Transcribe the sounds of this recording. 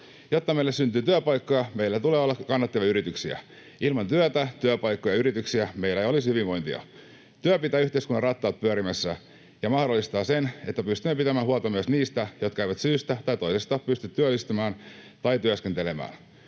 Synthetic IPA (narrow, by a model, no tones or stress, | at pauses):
jot̪ːɑmejlːessynt̪yːt̪yøpɑjkːojɑmejlːæt̪uleːolːɑkɑnːɑt̪ːeʋjɑyɾit̪yksiæ̰ | ilmɑnt̪yøt̪æt̪yøpɑjkːojɑyɾit̪yksiæmejlːæejolishyʋiʋʋo̞jnt̪iɑ̰ | t̪yøpit̪æːyçt̪eiskunːɑrɑt̪ːɑːt̪̚pyøɾimæsːæ | jɑmɑhdolːist̪ɑːsene̞t̪ːæpyst̪ymːepit̪æmæːɦuɑt̪oɑmyøsniːst̪æjo̞t̪̚kæeiʋæt̪syːst̪æt̪ɑjt̪o̞isest̪ɑːpyst̪yt̪tːyølːist̪ymæːn | t̪ɑjt̪yøskent̪ele̞mæ̰ːn